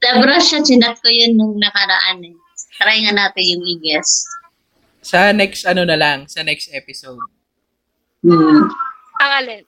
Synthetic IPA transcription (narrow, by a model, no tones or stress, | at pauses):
d̪̥ɐbɾaʃɐt͡ʃɪnɐt̪̚kojonːʊŋnɐkɐɾɐʔanɛ | st̪ɾajŋɐnaːt̪ɪjʊŋʔiɡɛst̪ | sɐnɛkst̪ɐnonɐlɐŋsɐnɛkst̪ʔɛpɪsowd̪̚ | m̩ː | ɐŋɐlɛ